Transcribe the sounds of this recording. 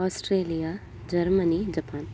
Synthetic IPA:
ɔsʈɾeːlija | d͡ʒɐɾmənid͡ʒɐpaːn

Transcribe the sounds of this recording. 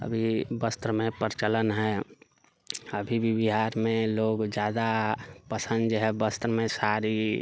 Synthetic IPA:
ə̰bʱibəst̪ɾəmẽpəɾt͡ʃələnɦɛ | əbʱibʱibiɦaːɾmẽloːɡd͡ʒjaːd̪apəsə̃nd̪d͡ʒɦɛbəst̪ɾəmẽsaɾi

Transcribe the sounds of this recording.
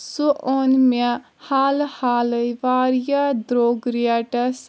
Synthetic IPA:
suʔonme | halhaləjʋaɾjad̪ɾoɡɾijaʈɐs

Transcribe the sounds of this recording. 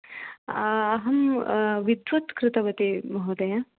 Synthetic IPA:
ɐɦɐmʋid̪ʋɐt̪kɾɪt̪ɐbɐt̪imɐɦod̪ɐja

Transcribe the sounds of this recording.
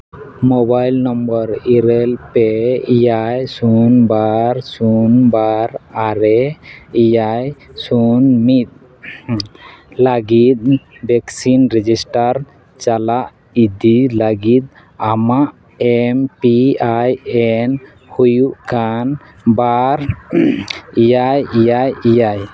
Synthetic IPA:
mɔbajlnɔmbɔɾiɾɛlpɛijajsunbaɾsunbaɾaɾɛijajsunmit̪̚ | laɡit̪̚bɛksinɾɛd͡ʒisʈaɾ | t͡ʃalaʔ | id̪ilaɡit̪̚ | amaʔ | ɛmpiajɛn | hujuʔkan | baɾ | ijajijajijaj

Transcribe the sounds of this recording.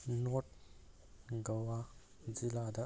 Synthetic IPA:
nɔt̚ | ɡawa | zilada

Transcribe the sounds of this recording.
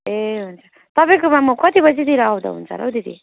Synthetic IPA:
eɦunt͡sʰʌ | t̪ʌpaj̃kobamʌkʌt̪ibʌd͡zid̪iɾʌaw̃d̪ʌ̰ɦṵnt͡sʰʌ̰ɾʌ̰wd̪id̪ḭ

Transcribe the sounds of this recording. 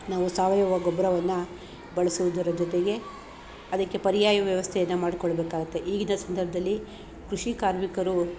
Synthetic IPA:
naːʋusaːʋɐjɐʋɐɡɔbɾɐʋɐnːu | bɐɭɐsuʋud̪ɐɾɐd͡ʒɔt̪eɡe̞ | ɐd̪ɐkːe̞pɐɾijaːjɐʋjɐʋɐst̪ʰɛjɐnːɐmaːɽikɔɭːɐbeːkaːɡɐt̪ːe̞ʔiːɡinɐsɐnd̪ɐɾbʱɐd̪ɐlːi | kɾuʂikaːɾmikɐɾu

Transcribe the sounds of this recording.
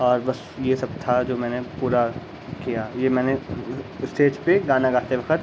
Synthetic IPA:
ɔːɾbɐs | jesɐb̚t̪ʰad͡ʒoːmɛ̃ːnepuːɾa | kijajemɛ̃ːneɪsʈ̪ʰeːd͡ʒpeɡaːnaɡaːt̪eʋɐkʰət̪

